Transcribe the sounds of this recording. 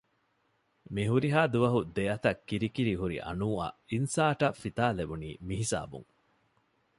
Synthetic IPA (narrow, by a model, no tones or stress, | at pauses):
miɦuɾiɦaːd̪uʋɐɦud̪eɐt̪ɐkːiɾikiɾiɦuɾḭʔɐ̰nuːɐ̰insaːʈɐfit̪aːlebunḭːmiɦisa̰ːbṵŋ